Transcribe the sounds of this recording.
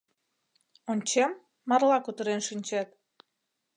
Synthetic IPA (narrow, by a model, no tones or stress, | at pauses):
onʲt͡ɕemː | ɑrlɑkut̪əɾenʃinʲt͡ɕet̪̚